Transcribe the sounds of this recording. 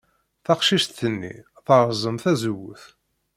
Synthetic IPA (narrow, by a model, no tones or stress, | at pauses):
θɑqʃiʃt̪ːənːḭ | θəɾˤzˤəmθæzwʊθ